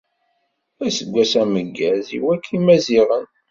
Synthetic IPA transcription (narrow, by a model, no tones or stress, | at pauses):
æsəɡʷːæsæməɡːæzḭwækʰːimæziʁən